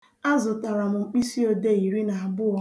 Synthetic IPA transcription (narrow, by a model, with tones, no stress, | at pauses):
a˦zʊ˨ta˨ɾa˨mʊ˨ŋ͡m̩˨k͡pi˦si˦o˨de˦i˨ɾi˦na˨a˨bʊ˦ɔ˦